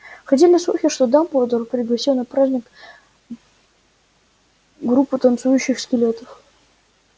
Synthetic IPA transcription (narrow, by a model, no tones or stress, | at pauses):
xɐt̪̬ʲelʲnʲəslˠuxʲɪʂt̪od̪ampovəd̪urəpɾʲɪɡlˠɐɕʲelnːɨpɾazʲnʲɪk | ɡɾupːɨt̪ɐnt̪sujʉɕːɪxskʲɪlʲet̪əf